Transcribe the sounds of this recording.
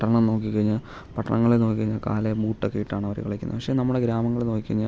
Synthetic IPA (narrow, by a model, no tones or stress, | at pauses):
ʈːɐɐɳɐmno̞ːkːikːɐɻiɲːa | pɐʈːɐɳɐŋːɐɭeno̞ːkːikɐɻiɲːaka̰ːlebuːʈːokːejiʈːaːɳɐʋɐɾṵkɐɭɐkʲːunːɨpɐkʂeːnɐmːuɽeɡɾaːmɐŋːɐɭeno̞ːkːikːɐriɲːa